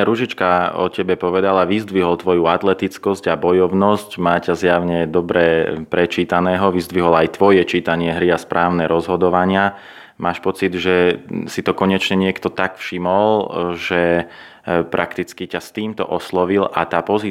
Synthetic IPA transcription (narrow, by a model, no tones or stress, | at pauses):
ɾuʒit͡ʃkaɔ̰cɛbɛpɔʋɛd̪alaʋizd̪ʋiɦɔlt̪ʋɔjuat̪lɛt̪it͡skɔzɟabɔjɔʊnɔscmaːcazjaʊɲɛd̪ɔbɾɛpɾɛt͡ʃiːt̪anɛːɦɔʋizd̪ʋiɦɔlajt̪ʋɔjɛt͡ʃiːt̪aɲɪɛɦɾiaspɾʔaːʊnɛɾɔzɦɔd̪ɔʋaɲɪa | maːʃpɔt͡sid̪ʒɛsit̪ɔkɔɲɛt͡ʃɲɛɲɪɛkt̪ɔt̪akfʃimɔlʒɛ | pɾʔakt̪it͡skicast̪iːmt̪ɔ̰ʔɔslɔʋila̰t̪aːpɔziː